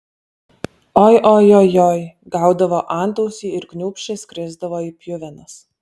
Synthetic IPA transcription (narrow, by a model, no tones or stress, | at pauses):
ɔːjʔojɔjoːjɡɑˑʊd̪ɐʋoːʔɑˑnt̪ɔʊsʲiːɪɾknʲʊːpʲʃʲt͡ʃʲɛsʲkʲɾʲɪzd̪ɐʋoːiːpʲjʊʋʲɛnɐs